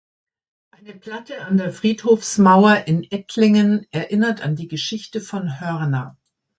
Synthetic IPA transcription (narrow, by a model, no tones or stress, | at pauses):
ʔaɪnəpl̥atəandeːɐfʁ̥iːthoːfsmaʊɐʔɪnʔɛtʰlɪŋənʔɛɐʔɪnɐtandiːɡəʃɪçtəfɔnɦœʁnɐ